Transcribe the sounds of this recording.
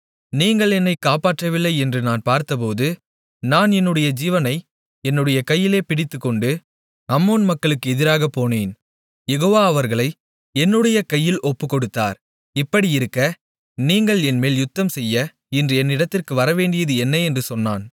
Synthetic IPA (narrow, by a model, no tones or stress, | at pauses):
niːŋɡɐɭɛnːɐɪkːaːpaːʈrɐʋɪlːɐɪɛndrɯnaːnpaːɾt̪ɐp̬oːðɯ | naːnɛnːɯɽɐjɐd͡ʒiːʋɐnɐɪ | ɛnːɯɽɐjɐkɐjːɪleːpɪɽɪt̪ːɯkːɔɳɖɯ | ɐmːoːnmɐkːɐɭɯkːɯɛðɪɾaːɣɐpːoːneːn | jɛɣoːʋaːɐʋɐɾɣɐɭɐɪ | ɛnːɯɽɐjɐkɐjːɪlɔpːɯkːɔɽɯt̪ːa̰ːɾ | ɪpːɐɽiɪɾɯkːɐ | niːŋɡɐɭɛnmeːljʊt̪ːɐmsɛjːɐ | ɪndrɯɛnːɪɽɐt̪ːɪrkɯʋɐɾɐʋeːɳɖɪjɐðɯɛnːɐɛndrɯsɔnːa̰ːn